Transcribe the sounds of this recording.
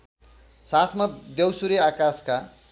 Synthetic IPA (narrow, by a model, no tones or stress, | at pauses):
sat̪ʰmʌd̪ewsuɾiakaska